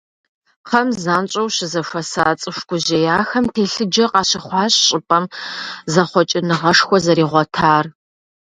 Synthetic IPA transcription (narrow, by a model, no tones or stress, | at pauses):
qʰɐmzaːnt͡ʃʼɐwɕɪzɐfʷɐsaːt͡sʼɨʃʷkʷʰʼʊʑejaːxɐmtʰeːɬɨd͡ʒɐqɑːɕɐχʷɑːɕɕʼɪpʼɐmzɐχʷɔt͡ʃʼɪnɨʁɐʂxʷɔzɐɾiːʁʷɔtʰaːr